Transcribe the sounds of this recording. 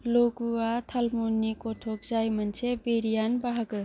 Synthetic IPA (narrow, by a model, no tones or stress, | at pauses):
loɡuat̪ʰəlmunikoʈʰokd͡zajmənt͡ʃʰebeɾijanbaɦəɡə